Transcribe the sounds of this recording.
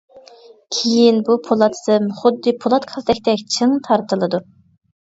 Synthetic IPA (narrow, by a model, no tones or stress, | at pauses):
kʲʰejinbupʰolˠɑt̪ʰsɨmχʊd̪ːɨpʰolˠɑt̪qʰɑlˠd̪ɛkʲt̪ɛkʲt͡ʃʰɨŋt̪ʰɑɾt̪ʰɨlˠɨd̪u